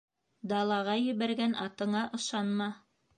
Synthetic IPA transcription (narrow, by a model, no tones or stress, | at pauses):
d̪ɑlˠɑʁɑjɘ̆βæɾɡænɑt̪ɤ̆ɴɑʔɤ̆ʃɑnmɑ